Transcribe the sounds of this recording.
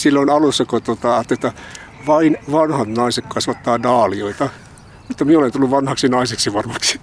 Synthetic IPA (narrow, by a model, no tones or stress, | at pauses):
silːoinɑlusːɑkot̪uot̪ɑɑt̪ːeot̪ːɑ | ʋɑinʋɑnhɑt̪nɑisekkɑsʋɑt̪ːɑːdɑːlioit̪ɑ | mut̪ːɑmieolent̪ulːuʋʋɑnhɑksinɑiseksiʋɑrmɑksi̥